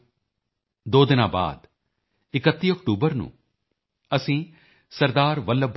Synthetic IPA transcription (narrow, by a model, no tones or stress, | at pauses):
d̪oːd̪ɪnã̰ːba̰ːd̪ | ɪkət̪ːiːɔkʈuːbəɾnṵ̃ː | əsĩː | səɾd̪aːɾʋələbʱ